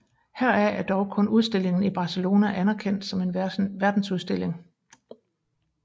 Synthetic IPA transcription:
hæɐ̰æɐæɐd̥ɒʊkʰɔ̽nuð̞ˠsd̥e̝l̰e̝ŋn̩ib̥ɑ̈ːselo̝ːnæʔænæɐkʰen̰d̥sɒ̽me̝nʋæɐd̥n̩suðˠsd̥e̝l̰e̝ŋ

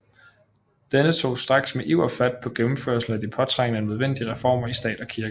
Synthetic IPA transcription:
d̥enət͡sʰo̝̰ːsd̥ʁɑ̈ɡ̥smeʔiʊ̰ɐfæd̥̚pʰɒ̽ɡ̥emm̩føɐsl̩æd̥ipʰɒ̽t͡sʰʁɑŋ̰nəænøð̞ˠʋen̰d̥iəʁɛfɒ̰ːmɐisd̥ɛ̰ːd̥ɒ̽kʰiɐɡ̥ə

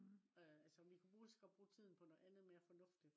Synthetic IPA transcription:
øælsəɒmʋikʰub̥ʁuːisɡ̥ɒb̥ʁuːt͡sʰið̞̰ˠn̩pʰɒ̽noð̩ˠænð̞̩ˠme̝ːɐfɒ̽nɔ̽fd̥i̥

